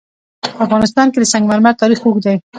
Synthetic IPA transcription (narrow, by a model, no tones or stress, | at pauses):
afɣɑnɪs̬t̪ɑnked̪əsaŋɡmaɾmaɽ̚t̪ɑɾixokd̪aj